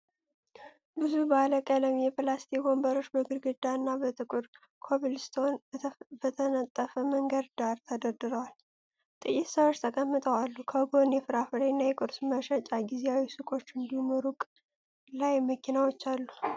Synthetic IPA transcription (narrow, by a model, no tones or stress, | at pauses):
bɨzubəaləkʼələmjɛpɨlast̪ʰiɡo̞mbəɾo̞t͡ʃːbəɡɨɾɡɨd̪aɨnːabət̪ʼɨkʼuɾ | kʰoβilst̪ʰo̞nbət̪ʰənət̪ʼːəfəməŋɡəd̪d̪aɾt̪ʰəd̪əd̪ɨɾəwal | t̪ʼɨjːɪt̪səwot͡ʃːt̪ʰəkʼəmːɨt̪ʼəwalːukʰəɡo̞njɛfɨɾafɨɾenːajɛkʼɨɾsməʃət͡ʃʼaɡizeawisɨkʼo̞t͡ʃːɨnd̪ihumɨɾukʼ | lajməkʰinawot͡ʃːalːu